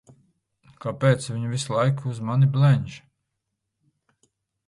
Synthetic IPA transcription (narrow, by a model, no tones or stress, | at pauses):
kapɛːt̪svʲiɲuvislˠajkuzmaniblɛɲʲd͡ʒ